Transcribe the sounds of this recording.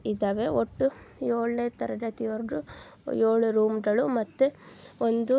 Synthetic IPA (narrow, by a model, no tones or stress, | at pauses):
id̪ɐʋeoʈːujoːɭnet̪ɐɾɐdɐt̪ijoɾdu | joːɭuɾuːmɡɐɭumɐt̪ːuond̪u